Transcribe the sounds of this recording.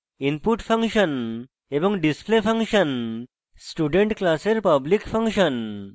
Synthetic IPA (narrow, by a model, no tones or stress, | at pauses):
inpuʈfʰɐ̃ŋkʃən | ebɔ̃ŋɡɖisplepʰɐ̃ŋkʃən | sʈuɖẽɳʈklaseɾpɐblikfʰɐ̃ŋkʃən